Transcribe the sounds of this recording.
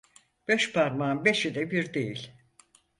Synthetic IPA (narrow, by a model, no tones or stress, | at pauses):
b̥ɛʃpʰaɾmaːnbeʃid̪ɛbiɾd̪ejilʲ